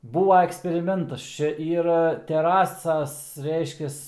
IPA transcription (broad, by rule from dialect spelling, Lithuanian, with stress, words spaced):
ˈbuːʋɐ ɛksʲpʲɛrʲɪˈmʲɛntɐs ˈt͡ʃʲɛ ˈiːrɐ tʲɛˈrɑːsɐs ˈrʲɛɪʃʲkʲɛs